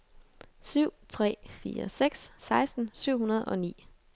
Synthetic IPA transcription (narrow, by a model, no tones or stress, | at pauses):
syʊ̰t͡sʰʁɛ̰ːfḭːɐ̰seɡ̥sːɑ̈ɪsd̥n̩syʊ̰ɦunɐð̞̩ˠɒ̽nḭː